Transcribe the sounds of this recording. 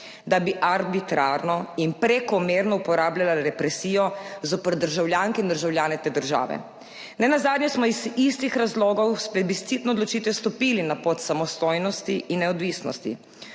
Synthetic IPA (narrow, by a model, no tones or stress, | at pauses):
d̪abiʔaɾbit̪ɾaɾnɔinpɾɛkɔmeːɾnɔupɔɾaːbljalaɾɛpɾɛsiːjɔzɔpəɾd̪əɾʒawljaːŋkɛind̪əɾʒawljaːnɛt̪eːd̪əɾʒa̰ːʋɛ̰ | nɛnazaːd̪njɛsmɔizist̪ixɾazloːɡɔwspɾɛd̪bist̪sit̪nɔːd̪lɔt͡ʃiːt̪ʋɛst̪ɔpiːlinapot̪samɔst̪oːjnɔst̪iʔinːɛɔd̪ʋiːsnɔ̰st̪ḭ